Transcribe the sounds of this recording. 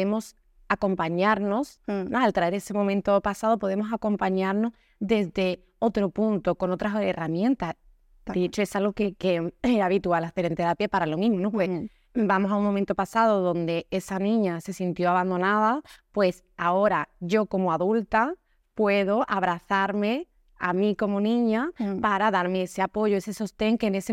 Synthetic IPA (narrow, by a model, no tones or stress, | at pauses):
emo̞s | ako̞mpaɲaɾno̞snoalt̪ɾae̞ɾe̞se̞momẽnt̪opasaðopo̞ðe̞mo̞sako̞mpaɲaɾno̞z | ðe̞zðe̞ | o̞t̪ɾo̞punt̪oko̞no̞t̪ɾaseramjẽ̞nt̪a | d̥̪eet͡ʃoe̞salɣokekeaβit̪ualaθe̞ɾe̞nt̪eɾapjepaɾaloŋiŋnowe | bamosauŋmːomẽnt̪o̞pasað̞oðõ̞nd̪e̞e̞sanĩɲase̞sint̪jo̞aβand̪o̞naðapwe̞s | ao̞ɾaʝo̞ko̞moaðult̪a | pwe̞ð̞o̞ʔaβ̞ɾaθaɾmẽ̞ | amĩko̞monĩɲapaɾaðaɾmeese̞apo̞ʝoe̞se̞so̞st̪e̞ŋkene̞se